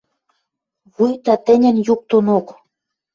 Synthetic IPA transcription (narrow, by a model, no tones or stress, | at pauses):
βujt̪ɑt̪ɘ̆nʲɘ̆njuk̚t̪onok